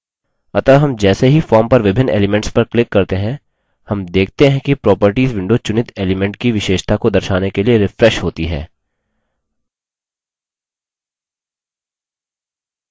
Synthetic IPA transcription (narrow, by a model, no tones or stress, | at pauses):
ɐt̪aɦɐmd͡ʒɛːseɦifɔːɾmpɐɾʋɪbʱɪnḛːlɪmɛ̃ɳʈspɐɾklɪkːɐɾt̪eɦɛ̃ | hɐmd̪eːk̚ʰt̪eɦɛ̃kipɾɔːpəɾʈiːzʋɪ̃ɳɖot͡ʃʊnɪt̪eːlɪmɛ̃ɳʈ̚kiʋɪʃeːʃt̪ʰakod̪ɐɾʃaːnekelieɾɪfɾɛʃɦoːt̪iɦɛ̰ː